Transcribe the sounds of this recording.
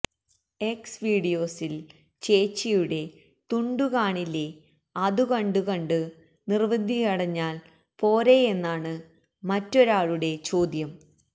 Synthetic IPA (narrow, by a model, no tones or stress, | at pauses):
e̞ksʋiːɽijo̞ːsil | t͡ɕe̞ːt͡ɕːijuɽe̞ | t̪uɳɖukaːɳilːe̞ | ɐðukɐɳɖukɐɳɖɨ | nirʋɐd̪ʱːikɐɽɐɲːaːl | po̞ːɾe̞e̞nːaːɳɨ | mɐtːo̞ɾaːɭuɽe̞t͡ɕo̞ːd̪jɐm